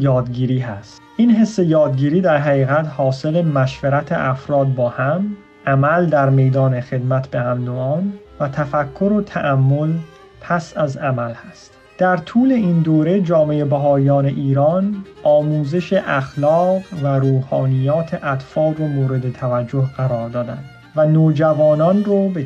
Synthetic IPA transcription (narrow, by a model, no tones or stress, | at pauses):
jɒːd̪ɡiːɾiːɦæst̪ʔiːnɦe̞sːe̞jɒːd̪̚ɡiːɾiːd̪æɾɦæɣiːɣæt̪hɒːse̞lemæʃveɾæt̪ʰḛʔæfɾɒːd̪̚bɒːhæm | ʔæmæld̪æɾme̞jd̪ɒːnexe̞d̪mæt̪ʰbe̞hæmnoɒːn | væt̪ʰæfækʰːo̞ɾot̪ʰæʔæmːo̞l | pʰæsæzæmælhæst̪ | d̪̥æɾt̪ʰuːle̞ind̪oːɾe̞d͡ʒɒːme̞jebæɦɒːjɒːne̞ʔiːɾɒnʔɒːmuːze̞ʃeʔæxlɒːʁɢvæɾuːhɒːnijɒːt̪ʰe̞ʔæt̪fɒːlromoːɾe̞d̪et̪ʰævæd͡ʒːoɦɢæɾɒːɾd̪ɒːd̪æ̰nd̪ | vænoːd͡ʒævɒːnɒnrobe